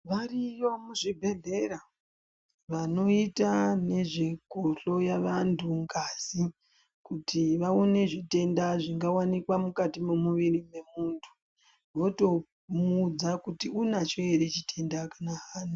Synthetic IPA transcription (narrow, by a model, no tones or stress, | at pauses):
ʋarijomuʐibʱe̞ɮe̞ɾa | ʋano̞itane̞ʐikoɬo̞jaʋantʰuŋɡasi | kutʰiʋaone̞ʐite̞ndaʐiŋɡawanikwamukatimemuʋirime̞muːntʰu̥ | ʋo̞to̞ | mud͡zakutiunat͡ʃo̞eɾe̞t͡ʃitʰe̞ndakanaaːnu